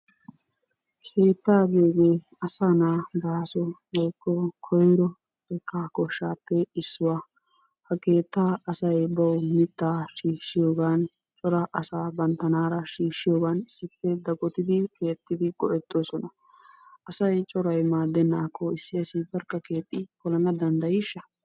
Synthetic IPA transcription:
kʰe̞ːt̪ːaːɡeːɡeː | ɐsanaːbaːsɔɡɔjkːɔkʰɔjɾɔ | ɛkːakɔʃːaːpːɛɪsːʊwaː | hɐke̞ːt̪ːaːɐsɐjbɐwmɪt̪ːaːʃiːʃːɪjo̞ːɡaːn | t͡ʃʼɔɾɐʔɐsaːbɐnt̪ɐnaːɾɐʃiːʃːɪjo̞ːɡaːnɪsːɪpːɛd̪ɐɡɔt̪ɪd̪ɪke̞ːt̪ːɪd̪ɪɡʼɔʔɛt̪ːo̞ːsɔnɐ | ʔɐsɐjt͡ʃʼɔɾɐjmaːd̪ːɛnːaːkːɔɪsːɪɐsɪbɐɾkʼːɐke̞ːt̪ʼːɪkɔlɐnɐd̪ɐnd̪ɐjɪʃːɐ

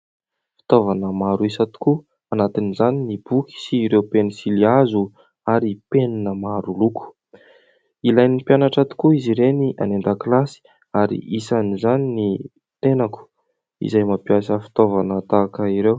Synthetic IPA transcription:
fi̥t̪ovanəmaɾuisat̪i̥ku | anat̪inizaninib̥ukʲi̥siːɾewpenisiliazu | aɾipeninəmaɾulukʰu̥ | ilajnipjanaʈ͡ʂat̪i̥kuiziɾeniʔa̰nend̪əklasi̥ | aɾḭʔisanizanini | t̪enaku̥ | ḭzajmapiasəfi̥t̪ovanət̪aːkəiɾew

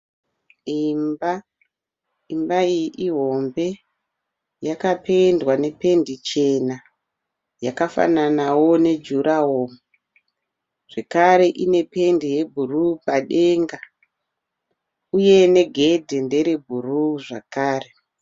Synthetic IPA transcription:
imba | imbaijʔiɦo̞mbe̞ | jakape̞ndwane̞pe̞ndit͡ʃe̞na | jakafa̰nanawo̞ne̞d͡ʒuɾʔaɦoːmu | ʐ̥e̞kaɾe̞ʔine̞pe̞ndije̞bʱurupaɗe̞ŋɡa | uje̞ne̞ɡʱe̞dʱende̞ɾebʱuruʐakaːre

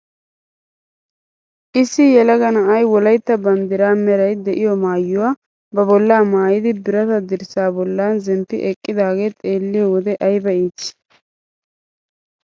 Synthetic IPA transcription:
ʔɪsːɪjɛlɐɡɐnɐʔɐjwɔlɐjt̪ːɐbɐnd̪ɪɾaːmɛɾɐjd̪ɛʔɪjɔmaːjːʊwaː | bɐbɔlːaːmaːjɪd̪ɪbɪɾɐt̪ɐd̪ɪɾsaːbɔlːaːnzɛmpːɪʔɛkʼːɪd̪aːɡe̞ːt̪ʼe̞ːlːɪjɔwɔd̪ɛʔɐjbɐiːt͡ʃː

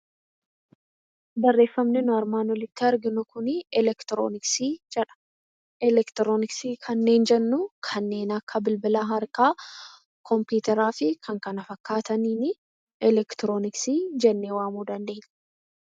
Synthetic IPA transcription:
bɐrːe̞ːfːɐmnɪnʊɐɾmaːnwɔlɪt̪ːɪɐɾɡɪnʊkʊnɪɛlɛkt̪ɪɾo̰ːnɪksiːd͡ʒɛᶑɐ̥ | ɛlɛkt̪ɪɾo̞ːnɪksiːkʰɐnːe̞ːnd͡ʒɛnːʊkʰɐnːe̞ːnɐkʰːɐbɪlbɪlaːɦɐɾkaː | kʰɔmpjuːt̪ɛɾaːfɪkʰɐŋkɐnɐfɐkːaːt̪ɐniːnɪ | ɛlɛkt̪ɪɾo̞ːnɪksiːd͡ʒɛnːewaːmuːd̪ɐnd̪e̞ːɲː

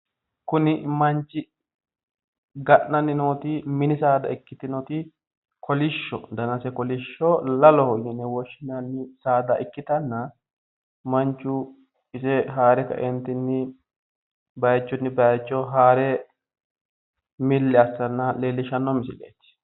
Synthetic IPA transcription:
kʊnɪmɐnt͡ʃːɪ | ɡɐʔnɐnːɪnoːt̪ɪmɪnɪsaːd̪ɐ̰ɪkːɪt̪ɪnɔːt̪ɪ | kʰɔlɪʃːɔ̰d̪ɐnɐsɛkɔlɪʃːɔlɐlɔhɔnɪnɛwɔʃɪnɐnːɪsaːd̪ɐʔɪkːɪt̪ɐnːɐ | mɐnt͡ʃːʊ | ɪsɛɦaːɾɛkɐ̰ʔɛnt̪ɪnːɪ | bɐjt͡ʃːʊnːɪbɐjt͡ʃːɔɦaːɾɛ | mɪlːɛɐsːɐnːɐleːlːɪʃɐnːɔmɪsɪlḛːt̪ːɪ̥

